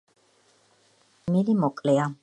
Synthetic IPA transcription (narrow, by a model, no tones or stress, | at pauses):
milimɔkʼlɛa